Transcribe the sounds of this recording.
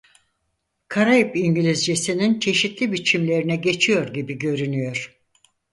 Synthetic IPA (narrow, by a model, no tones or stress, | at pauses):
kʰaɾajipiɲɟilʲizd͡ʒesinint͡ʃʰe̞ʃit̪lʲibit͡ʃʰimlʲe̞ɾinɛɟe̞t͡ʃʰijo̞ɾɟibiɟø̞ɾynyjo̞ɾ̥